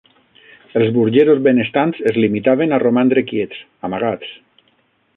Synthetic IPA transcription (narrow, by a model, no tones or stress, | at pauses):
elˠzβuɾʒeɾozβenest̪ansezlimit̪aβ̞enaromand̪ɾekjet͡s | amaɣat͡s